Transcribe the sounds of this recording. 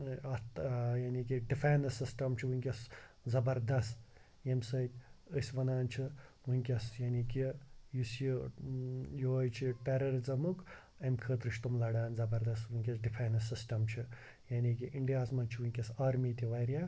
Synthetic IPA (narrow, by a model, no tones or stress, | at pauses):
ɐt̪jaːnik̬iɖifʰaːjnɐsisʈɐmt͡ʃʰiʋunʲkʲɐs | zɐbɐɾd̪ɐst̪ | jemsɐt̪ʲəsʲʋɐnaːnt͡ʃʰiʋunʲkʲɐsjaːnikijusji | joːjt͡ʃʰiʈeɾɐɾzɐmuk | ɐmʲkʰət̪ɾɨʃt̪umlɐɽaːnzɐbɐɾd̪ɐst̪ʋunʲkʲɐsɖipʰajnɐsisʈɐmt͡ʃʰi | jaːnikiʔiɳɖijaːzmɐnt͡ʃʰiʋunʲkʲɐsaːɾmiːt̪iʋɐjɾʲjaː